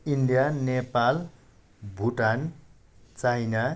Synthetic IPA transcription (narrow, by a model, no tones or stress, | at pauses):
inɖijanepal | bʱuʈan | t͡sajna